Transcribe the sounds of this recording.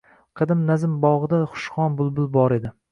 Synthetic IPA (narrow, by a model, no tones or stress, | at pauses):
qʰɨd̪ɪmnazɪmbɒʁɨd̪aχʊ̥ʃχɒnbʊlˠbʊlˠbɒɾe̞d̪ɪ